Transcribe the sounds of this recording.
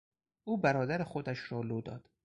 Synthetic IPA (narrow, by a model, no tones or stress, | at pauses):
ʔuːbæɾɒːd̪æɾexod̪æʃɾɒːloːd̪ɒ̰ːd̪̥